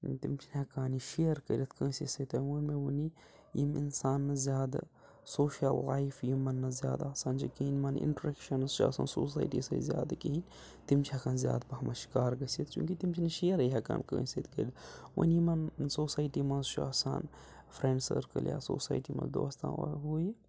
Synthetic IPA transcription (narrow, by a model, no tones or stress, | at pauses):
t̪imt͡ʃʰinɐkaːniʃijəɾkəɾʲit̪ʰkə̃ːsisɐt̪ɐʋunmeʋuni | jimḭnsaːnːɐzjaːd̪ | soːʃiɐlːaːjfjimːɐnːɐzja̰ːd̪asaːnd͡ʒɐkiɦinʲmɐnɪ̰ɳʈɐɾekʃɐnzt͡ʃʰua̰sa̰ːnsoːs̬aːjʈḭsɐ̰zjaːd̪akiɦinʲ | t̪imt͡ʃʰiɐkaːnzʲja̰ːd̪pɐɦɐmɐʃi̥kaːɾɡɐsit̪̚ʰt͡ʃṵ̃ːkit̪imt͡ʃʰinɐʃeːɾɐjɦɐka̰ːnkə̰̃ːset̪kəɾʲd̪wə̰nmɐnsoːsaːjʈiːmɐzt͡ʃʰuaːsa̰ːn | fʰɾeɳɖsə̰ːɾkə̰lja̰ːso̰ːsa̰ːjʈimɐ̰nzd̪o̰ːɐst̪ã̰ɦuːj